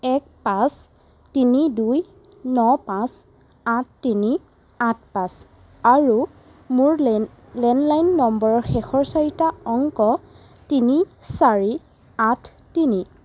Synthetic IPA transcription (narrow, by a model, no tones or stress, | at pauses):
ɛk̚pãs | tiniduj | nɔpãs | atʰtːini | ãt̚ʰpãs | aɹu | mʊɹ | lɛnlajnːɔmbɔɹɔɹxɛxɔɹsaɹitaɔŋkɔ | tinisaɹi | atʰ | tini